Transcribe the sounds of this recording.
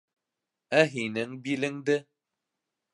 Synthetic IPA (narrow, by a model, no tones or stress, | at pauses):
əɦinɨŋbilɨŋdə